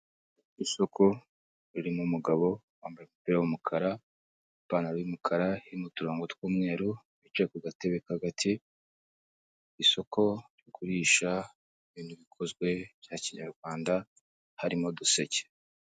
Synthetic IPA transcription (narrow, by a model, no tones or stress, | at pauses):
iso̞kʰo̞ | ɾiɾimumuɡaβo̞ | waːmbajeumupiːɾawumukʰaɾa | baːnaɾβimukʰaɾaiɾimutuɾoːŋɡotwuːmŋe̞ːɾu | it͡ʃekoɡate̞βekaɡatʰi | so̞ko̞ɾjokuɾiːʃa | iβiːnhuβikʰo̞zɡwe̞βjaːciɲaɾɡwaːnda | haɾimo̞dusece̥